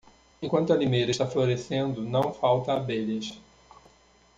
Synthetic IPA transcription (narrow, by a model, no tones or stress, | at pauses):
ẽkwɐ̃nt̪ʊɐlimejɾɐɪʃt̪afloɾesẽnd̪ʊnɐ̃w̃fawt̪ɐːbeʎɐs